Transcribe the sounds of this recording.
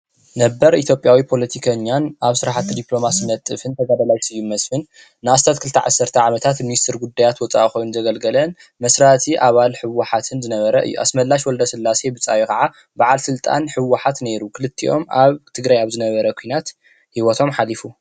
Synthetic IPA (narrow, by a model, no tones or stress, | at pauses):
nɐbːɐɾit̪ʰjo̞pʼjawipʰo̞lɐt̪ʰikʰɐɲːanʔaβsɨɾaħat̪ːid̪iplo̞masnɐt̪ʼːɨfɨnt̪ʰɐɡad̪ɐlajsɨjːumɐsfɨn | nɨast̪ʰat̪kʰɨlt̪ʰɐʕa̰sːɐɾt̪ʰɐʕamɐt̪ʰat̪minist̪ʰɨɾɡud̪ːajat̪wɔt͡sʼa̰ʔxojnnzɐɡɐlɡɐlɐn | mɐsɾat̪ʰiʔaβalħɨwːaħat̪ʰɨnzɨnɐβɐɾɐʔɨ̰jːṵʔa̰smɐlːaʃwɔld̪ɐsɨlːase̞bɨt͡sʼa̰wikɐʕa | baʕalsɨlt̪ʼa̰nħɨwːaħat̪ne̞ɾukʰɨlɨt̪ʰːḭʔo̞̰mʔa̰βt̪ʰɨɡɾajaβzɨnɐβɐɾɐkʷʰujnat̪ | hiwɔt̪ʰo̞mħalifu